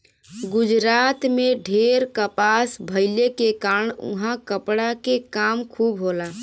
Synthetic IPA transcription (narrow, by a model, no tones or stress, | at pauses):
ɡʊd͡ʒɾat̪meɖʱeɾkəpasbʱəɪlekekaɾəɳṵɦãkəpɽakekaːmkʰubɦola